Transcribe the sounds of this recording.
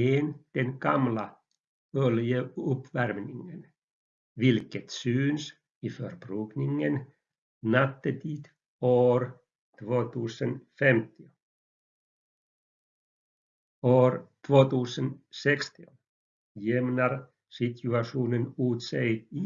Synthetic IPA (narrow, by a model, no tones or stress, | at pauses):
eːnd̪̥enɡɑmla | øljəɵpːʋærmniŋən | ʋilkət̪syːns | iførb̥ɾyːɡniŋən | nat̪ːət̪ʰiːd̪̥ | oːɾ | t̪ʰvoːt̪ʉːsənfɛmt̪i | oːɾt̪ʰvoːt̪ʉːsənsekst̪ion | jɛmnaɾ | sit̪ʰʉaʂuːnənuːt̪sej̪i